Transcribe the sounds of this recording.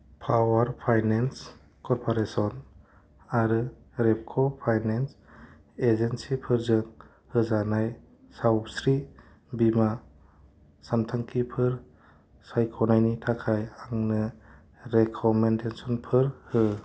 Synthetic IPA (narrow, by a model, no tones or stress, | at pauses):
pʰawaɾpʰajnens | kɔɾpʰɔɾesɔn | aɾɯ | ɾep̚kʰɔpʰajnens | ezensipʰɯɾzɯŋ | hɯzanaj | sawpsɾi | bima | santʰaŋkʰipʰɯɾ | sajkʰɔnajnitʰakʰajaŋnɯ | ɾekʰɔmendesɔnpʰɯɾhɯ